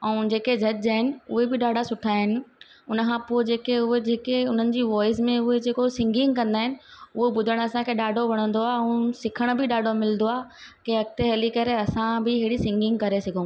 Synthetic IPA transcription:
ɛ̃ːd͡ʑeːked͡ʑʱɐd͡ʑaːɦɪnɪ̆ʊɦebɪɗaːɖʱasʊʈʰaːɦɪnɪ̆ | ʊnəkʰãpoːd͡ʑeːkeʊɦed͡ʑeːkeʊn̤ənɪ̆d͡ʑiːʋɔːɪzmẽʊɦed͡ʑeːkosɪ̃ŋɡɪ̃ŋɡkɐ̃nd̪aːɦɪnɪ̆ʊɦobʊd̪ʱəɽ̃ɐsãkʰeːɗaːɖʱoʋɐɽ̃ə̃nd̪oaːɛ̃ːsɪkʰəɽ̃bɪɗaːɖʱomɪlnd̪oaːkeɐk̚t̪eɦɛlikɐɾeɐsãbɪɪɽisɪ̃ŋɡɪ̃ŋɡ̚kɐɾesɐɡʱõ

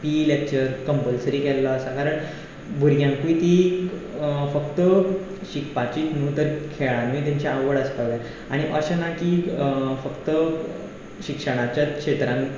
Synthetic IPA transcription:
pilek̚t͡ɕəɾkəmpəlsəɾiːkɛlːaːsakaɾəɳ | bʱuɾjãŋkuit̪i | fəkt̪ə | ɕikpat͡ɕiːt̪nuːt̪əɾkʰeɭãnʋĩt̪jaɲt͡ɕaːʋəɽəspaʋja | aɽ̃iʔəɕanakiːfəkt̪ə | ɕikʂəɽ̃at͡ɕjakʂet̪ɾãŋ

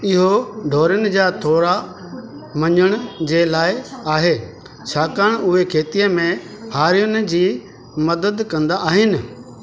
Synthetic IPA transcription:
ɪɦoɖʱoːɾjʊnɪ̆d͡ʑaːt̪ʰoːɾa | mɐɲʊɽ̃ʊ̆d͡ʑeːlaːɪaːɦeː | t͡ɕʰaːkəɽ̃ʊɦekʰeːt̪ijəmẽ | haːɾijʊnɪ̆d͡ʑiː | mɐd̪əd̪kɐ̃nd̪aʔaːɦɪnɪ̆

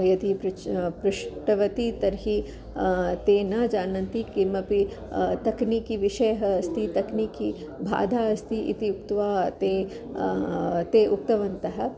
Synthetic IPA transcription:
jɐt̪iɾpɾuʂʈɐʋɐt̪it̪ɐɾɦi | t̪eːnad͡ʒaːnɐnt̪ikimɐpi | t̪ɐknikiʋiʃɐjɐɦɐːst̪it̪ɐkniki | bʱa̰ːd̪ʱaːɐst̪iʔḭt̪iukt̪ʋaːt̪eː | t̪eːʔuk̚t̪ɐʋɐnt̪ɐɦɐ̆

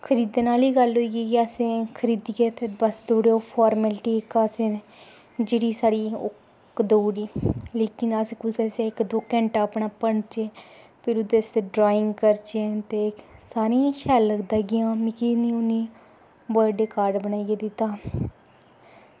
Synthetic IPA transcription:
kʰəɾiːd̪eːnaːliːɡəlɦoiːɡiːɡɛəsẽːkʰəɾiːd̪iɡɛːt̪eːbəsd̪oːɽeːoːpʰɔːɾmɛlʈiːɪkəsẽː | d͡ʒeːɽiːsaːɽiːʊk | d̪oːɽiːleːkɪnəskʊsɛseːɪkd̪oːkɛ̃ːɳʈaːpɳaːpəɳt͡ʃeː | pʰɪɾʊd̪est̪eːɖɾaːɪ̃ŋɡkəɾt͡ʃet̪eːsaːɾẽːʃɛːlːəɡd̪aːɡɪjãːmɪkiːniːʊniː | bəɖeːkaːɾɖbənaːiɡeːd̪ɪt̪ːaː

